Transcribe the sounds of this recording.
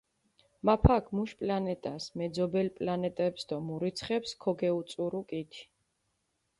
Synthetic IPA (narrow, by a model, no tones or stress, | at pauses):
mapʰakʰmuʃpʼlanɛt̪ʼasmɛd̪zɔbɛlpʼlanɛt̪ʼɛpsd̪ɔmuɾit̪sʰχɛpskʰɔɡɛut̪sʼuɾukʼit̪ʰi̥